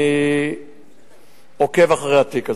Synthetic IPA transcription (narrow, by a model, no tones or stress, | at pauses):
i | okevaχʁeat̪ika